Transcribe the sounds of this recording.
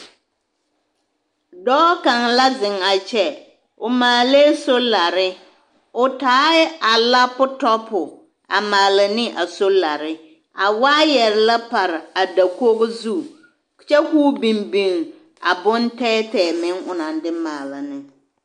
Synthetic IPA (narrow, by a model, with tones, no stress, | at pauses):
dɔː˦ka˨ŋla˦zɪ˨ŋa˨t͡ʃɛ˦ | ʊ˨maː˨leː˦so˦la˨ɾɪ˦ | ʊ˨taː˨˦ɪ˦a˨la˦pʊ˦tɔ˦pʊ˨ | a̰˨maː˨lɪ˨nɪ˦ʔa˨so˦la˨ɾɪ˦ | a˨waː˦jɛ˨ɾɪ˨la˦pa˨ɾɪ˨a˨da˨ko˦ɣʊ˦zu˦˨ | t͡ʃɛ˦kuː˦bi˨mbi˨ŋ˨ | a̰˨bʊ˦ntɛː˦tɛː˨mɪ˦ŋʊ˨na˨ndɪ˦maː˨la˨nɪ˦